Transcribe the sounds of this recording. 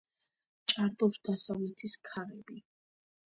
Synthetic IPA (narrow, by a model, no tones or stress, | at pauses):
t͡ʃʼaɾb̪ɔpsd̪asavlɛt̪ʰiskʰaɾɛbi